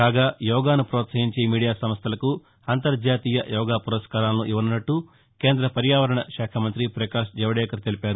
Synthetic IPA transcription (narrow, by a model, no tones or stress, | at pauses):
kaːɡaːjɔːɡaːnupɾɔːt̪sɐɦiɲt͡ʃemiːɽijaːsɐmɐst̪ʰɐlɐku | ɐnt̪ɐɾd͡ʒaːt̪iːjɐjɔːɡaːpuɾɐskaːɾaːlnuʔiʋɐnunɐʈːu | keːnd̪ɾɐpɐɾjaːʋɐɾɐɳɐʃaːkʰɐmɐnt̪ɾipɾɐkaːʂd͡ʒɛʋɐɽɛːkɐɾt̪elipaːɾu